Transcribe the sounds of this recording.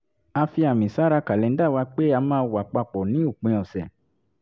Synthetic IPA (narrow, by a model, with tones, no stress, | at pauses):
a˧fi˧a˨mĩ˨sa˨˦ɾa˧ka˨lɛ˨n̩˦da˦˨wa˧k͡pe˦a˧mãː˧˦wa˨k͡pa˧k͡pɔ˨nĩ˨˦o˦˨k͡pẽ˧˦ɔ˨sɛ̰˨